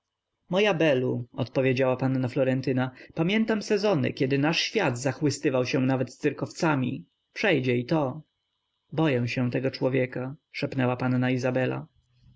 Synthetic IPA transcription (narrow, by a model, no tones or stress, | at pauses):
mɔjabɛluɔ̰t̪pɔvʲjed͡ʑawapanːaflɔɾɛnt̪ɘnapamʲjɛnt̪amsɛzɔnɘ̰kʲɛd̪ɘnaʂɕfʲjad̪zaxwɘst̪ɘvawɕɛ̃navɛt̪ssɘɾkɔft̪samʲḭ | pʂɛjd͡ʑɛit̪ɔ | bɔjɛw̃ɕɛ̃t̪ɛɡɔt͡ʂwɔvʲjɛkaʂɛpnɛwapanːaizabɛla̰